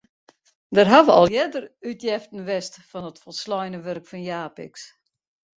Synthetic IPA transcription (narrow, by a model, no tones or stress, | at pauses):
dərɦaʋəɔ̰lˠjɛdərytjɛftn̩ʋɛstfɔnətfɔlˠslɔjnəʋørkfɔnjaːpɪ̰ks